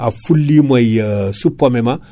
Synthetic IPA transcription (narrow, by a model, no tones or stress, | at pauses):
afulːimɐjsupːamɛma